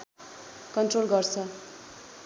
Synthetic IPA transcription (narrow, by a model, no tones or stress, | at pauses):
kʌnʈrolɡʌrt͡sʰʌ